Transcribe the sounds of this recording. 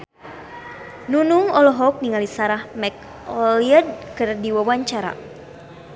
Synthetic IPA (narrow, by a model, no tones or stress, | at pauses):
nunuŋɔlɔɦɔk̚niŋalisaɾahmɛk̚ | ɔliad̚kɨrdiwawaɲt͡ʃaɾa̰